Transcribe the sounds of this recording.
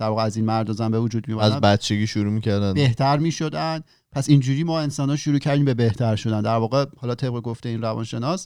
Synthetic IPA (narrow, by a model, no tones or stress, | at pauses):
d̪̥æɾvɒːɣeæziːnmæɾd̪ɒzæmbe̞vod͡ʒuːd̪̚mijoæzæbæt̪t͡ʃʰe̞ɡʲiːʃuɾuːmicʰæɾd̪ænbe̞ht̪ʰæɾmiːʃo̞d̪ænd̪̥ | pʰæsind͡ʒuːɾiːmɒːe̞nsɒːnhɒːʃuɾuːcʰæɾd̪iːmbe̞be̞ht̪ʰæɾʃo̞d̪ænd̪æɾvɒːɣe̞hɒːlɒːt̪ʰe̞b̚ɣe̞ɡoft̪eiːnɾævɒ̰nʃe̞nɒs